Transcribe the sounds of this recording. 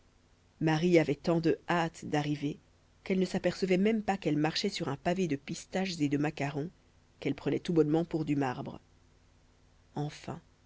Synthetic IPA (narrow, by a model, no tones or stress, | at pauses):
maʁiavɛt̪ɑ̃d̪əat̪d̪aʁive | kɛlnəsapɛʁsəvɛmɛmpakɛlmaʁʃɛsyʁɛ̃paved̪əpist̪aʃzed̪əmakaʁɔ̃ | kɛlpχənɛt̪ubɔnmɑ̃puʁd̪ymaʁbʁə | ɑ̃fɛ̰̃